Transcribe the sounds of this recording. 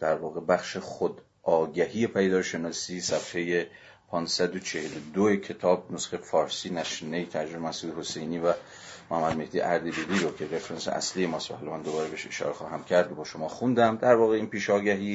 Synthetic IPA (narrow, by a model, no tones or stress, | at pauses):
d̪̥æɾvɒːɣe̞bæχʃeχod̪ | ʔɒːɟæhijepʰæjed̪ɒːɾʃe̞nɒːsiːsæfhe̞je | pʰɒːnsæd̪ot͡ʃʰe̞helod̪oecʰe̞t̪ʰɒːbnosɡejfɒːɾsiːnæʃinejt̪ʰæɾd͡ʒoemæhsʔuːd̪eho̞se̞jniːvæ | mohæmːæd̪̚me̞hd̪iːʔæɾd̪ebiliːɾocʰe̞ɾefeɾensḛʔæ̰slijemɒːst̪væhɒlɒmænd̪obɒːɾebeʃe̞ʃɒ̰ːɾexɒːɦæmcʰæɾd̪obɒːʃo̞mɒːχxund̪æmd̪æɾvɒːɣeiːnpiːʃɒːɟæɦiː